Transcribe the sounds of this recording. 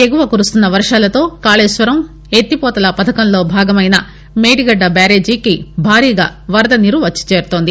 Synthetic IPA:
eɡuʋɐkuːɾust̪unːɐʋɐɾʂaːlɐt̪o̞ːkaːleːsʋɐɾɐm | e̞t̪ːipɔːt̪ɐlɐpɐd̪ʰɐkɐmlo̞ːbʱaːɡɐmɐjnɐ | meːʈiɡɐɖːɐbaːɾeːd͡ʒiːkibʱaːɾiːɡa̰ːʋɐɾɐd̪ɐniɾuʋɐt͡ʃːi̥t͡ʃe̞ːɾut̪o̞ːnd̪i

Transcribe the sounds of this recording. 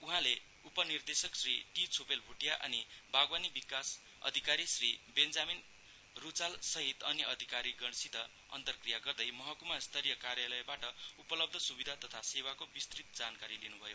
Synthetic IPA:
uɦãle | upʌnird̪esʌksriʈit͡sʰopelbʱuʈijaʔʌ̰nibʱaɡwanibikas | ʌ̰d̪ʱikaɾisribend͡zamin | rut͡salsʌɦit̪ʌniʔʌd̪ʱikaɾiɡʌñsid̪ʱʌ | ʌ̰nt̪ʌrkrijaɡʌrd̪ʌjmʌɦʌkumast̪ʰʌɾijʌkarjalʌjbaʈʌupʌlʌb̚d̪ʱʌsubid̪ʱat̪ʌt̪ʰasewakobist̪rit̪̚d͡zankaɾilinubʱʌjo

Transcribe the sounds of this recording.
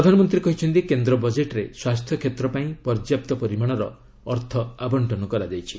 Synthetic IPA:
ɾɔd̪ʱanɔmɔnt̪ɾiekɔɦit͡ʃʰɔnt̪ikend̪ɾɔbɔd͡ʒeʈɾeswast̪ʰjɔkʰet̪ɾɔpaĩpɔɾd͡ʒjap̚t̪ɔpɔɾimaɽ̃ɔɾɔ̰ː | ɾt̪ʰɔabɔɳʈɔnɔkɔɾad͡ʒajt͡ʃʰi̥

